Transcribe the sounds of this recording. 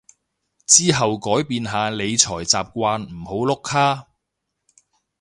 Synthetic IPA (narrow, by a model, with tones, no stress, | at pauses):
t͡siː˥ɦɐ˨wkɔː˨˥jpiː˨nɦaː˨˧le˨˧jt͡sʰɔː˨˩jt͡saː˨p̚kʷaː˧nm̩˨˩ho˨˥wlʊ˥kʰːaː˥